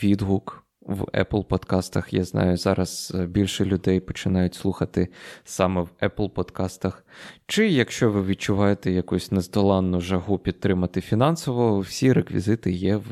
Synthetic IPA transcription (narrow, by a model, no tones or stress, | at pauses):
ʋʲid̪ɦuk | wɛ̰plˠpɔd̪kɑst̪ɐxjɑ̰znɑ̰jʊzɑ̰ɾɐz̥bʲilʲʃɛlʲʊd̪ɛjpɔt͡ʃɪnɑjʊtʲslˠuxɐt̪ɪsɑmɛwɛplˠpɔd̪kɑst̪ɐxt͡ʃɪjɐkʃt͡ʃɔʋɪʋʲid̪̚t͡ʃʊʋɑjet̪ɛjɐkusʲnɛzd̪ɔlˠɑnːʊʒɐɦupʲid̪̚t̪ːɾɪmɐt̪ɪfʲinɑnsɔʋɔwsʲiɾekʋʲḭzɪt̪ɪjɛw